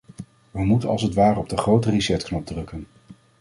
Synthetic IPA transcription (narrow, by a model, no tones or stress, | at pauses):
ʋəmutənɑ̰lˠsətʋaːrəɔb̚dəχrowtərisɛtknɔb̚drɵkən